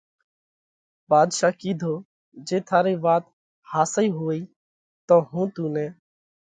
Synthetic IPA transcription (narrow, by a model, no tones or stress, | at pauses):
baːd̪ʃaːkiːd̪ʱoː | d͡ʒeːt̪ʰaːɾiːʋaːt̪ | haːsiːɦoːiː | t̪õːɦũːt̪ũːnɛː